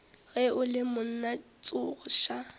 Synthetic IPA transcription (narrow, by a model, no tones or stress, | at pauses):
ɣɛʊlɪmʊn̩na | t͡sʼʊɣʊʃa